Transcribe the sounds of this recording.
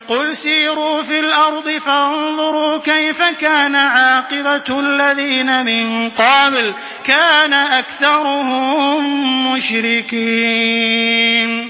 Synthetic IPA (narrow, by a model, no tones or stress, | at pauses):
qʊlsiːɾuːfilʔɑɾˤd̪ˤɨfaʔʊnðˤʊɾuːkajfakaːnaʕɑːqɨbaalːaðiːnamɪnqɑːbl | kaːnaʔakθɑɾˤʊhʊmːʊʃɾɪkiː | n